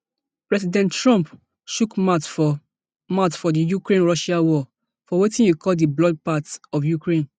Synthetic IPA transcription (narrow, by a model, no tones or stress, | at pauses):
pɹɛsidɛ̃nttɹɔ̃mp | ʃukmat | matfɔdijukɹẽnɹɔʃawɔ | fɔwetĩnjukʰɔldiblɔd̚patɔfjukɹẽn